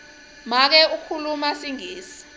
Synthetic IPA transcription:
mak̬ɛukʰulumasiŋiːsi̥

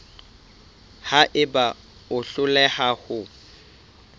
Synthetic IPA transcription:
haʔɪba | ʊɬʊlɛhahʊ

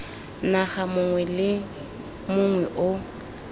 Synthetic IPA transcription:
naχamʊŋwɛlɪ | mʊŋwɛʔʊ

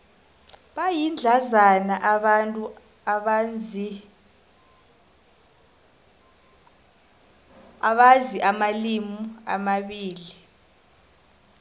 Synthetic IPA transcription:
ɓajind͡ɮʱazanaʔantʼu | aɓaziʔamalimua̰maɓiːli

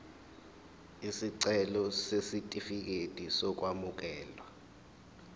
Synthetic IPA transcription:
isiǀɛlɔsesitʼifik̬etʼisɔk̬wamuk̬ɛːlwa

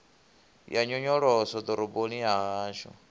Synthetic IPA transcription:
jaɲɔɲɔɺɔsɔd̪ɔɾɔbonijaɦaːʃɔ̰

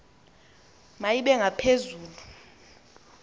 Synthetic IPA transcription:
majiɓɛŋɡʱapʰezuːlu

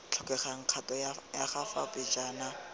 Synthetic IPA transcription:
t͡ɬʰɔkʼɛχaŋ̩q͡χʰatʼɔjaχafapɪt͡ʃʼaːna

